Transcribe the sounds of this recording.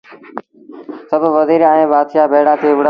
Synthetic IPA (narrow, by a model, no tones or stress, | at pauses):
səbʋəziːɾaːẽːbaːd̪ʃaːbʱeːɽãːt̪ʰiːʋɽ